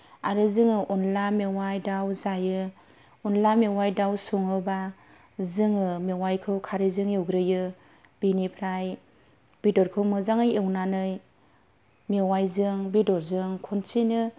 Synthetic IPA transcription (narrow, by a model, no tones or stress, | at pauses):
aɾɯzɯŋɯʔɔnlamewajdawzajɯ | ɔnlamewajdawsuŋɯba | zɯŋɯmewajkʰɯwkʰaɾizɯŋjɯwɡɾɯjɯ | b̥inipʰɾaj | b̥idɔɾkʰɯwmɯzaŋɯjewnanɯj | mewajzɯŋbidɔɾzɯŋkʰɔnsʰinɯ